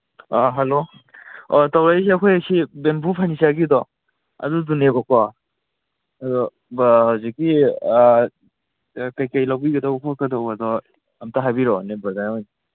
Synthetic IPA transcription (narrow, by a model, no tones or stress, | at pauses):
aɦalo | ɔtawɾajsiɐkʰojasibenpupʰanisaɡidɔ | ɐ̰dudunekɔka | ɐdɔ | bhawzikːi | kajkajlawbiɡɐdawkʰɔkadawadɔ | ɐmtaɦajbiɾɔnebazajɔj